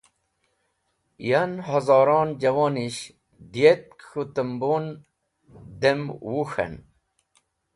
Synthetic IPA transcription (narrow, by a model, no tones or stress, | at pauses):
janhɐzɑːɾɑːnd͡ʑɐwoniɕ | d̪ijet̪̚kxut̪əmbon | d̪emwuxɐ̰n